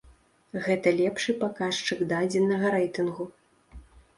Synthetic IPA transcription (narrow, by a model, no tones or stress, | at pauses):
ɣɛt̪ɐlʲɛpʂɨpakaʂt͡ʂɨɡd̪ad͡zʲɛnːɐɣɐɾɛjt̪ɨnɣu